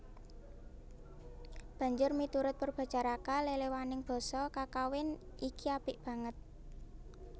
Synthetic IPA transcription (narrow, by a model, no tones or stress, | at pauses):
b̥ä̤ɲd͡ʒʊrmit̪uɾʊt̪̚pərb̥a̤t͡ʃaɾakalelewanɪŋb̥ɔ̤sɔkakawɪnikiab̥ɪʔb̥ä̤ŋət̪̚